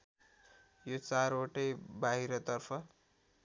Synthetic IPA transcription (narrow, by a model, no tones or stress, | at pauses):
jot͡saɾoʈʌjbaɦiɾʌt̪ʌrpʰʌ